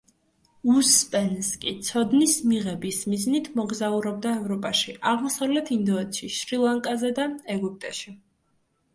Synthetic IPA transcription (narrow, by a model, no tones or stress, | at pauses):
uspʼɛnskʼit̪sʰɔd̪nismiʁɛbismiznit̪ʰmɔɡzauɾɔb̚d̪aɛvɾɔpʼaʃiʔaʁmɔsavlɛt̪ʰind̪ɔɛt̪ʰʃiʃɾilˠaŋkʼazɛd̪aɛɡup̚t̪ʼɛʃi